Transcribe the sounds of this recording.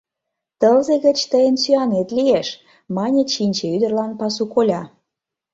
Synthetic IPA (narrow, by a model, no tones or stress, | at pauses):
t̪əlzĕɣə̆t͡ɕt̪əjənsyɑnet̪lieʃ | mɑnʲeɕinʲt͡ɕeyd̪ə̆rlɑnpɑsukolʲɑ